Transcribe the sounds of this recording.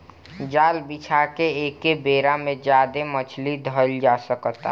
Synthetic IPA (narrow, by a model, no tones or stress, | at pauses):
d͡ʒaːlbit͡ʃʰakeeːkebeːɾamẽd͡ʒjaːd̪emət͡ʃʰlid̪ʱəld͡ʒaːsəkt̪a̰